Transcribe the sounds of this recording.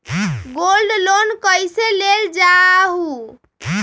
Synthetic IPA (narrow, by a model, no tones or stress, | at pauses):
ɡolɖlonkəjseleld͡ʒaɦu